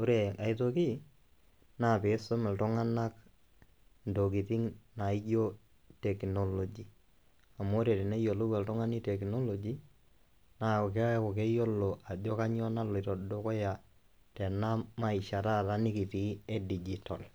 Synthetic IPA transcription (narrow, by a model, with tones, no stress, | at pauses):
o˦ɾe˨ka˨i˦to˦ki˦ | na˨pe˨˦so˦mɛ˨ltʊ˦ŋa˦na˦k | ndo˨k̬i˨ti˦ŋna˨i˦jo˦ | te˨kno˦lo˨d͡ʒi˨ | a˨mo˦ɾe˨te˨ne˦jo˨lo˦kɛ˨ltʊ˦ŋa˦ni˦tɛ˨kno˦lo˨d͡ʒi˦ | na˨ke˦a˦ko˨ke˦jo˦lo˨ʔa˨do˦ka˦ɲɔ˦na˦lo˨i˨to˨do˦kɔ˦ja˨ | tɛ˨na˦ma˦i˨ʃa˨ta˦˨ta˦nɪ˦ki˨ti˨˦e˦di˨d͡ʒi˨to˨l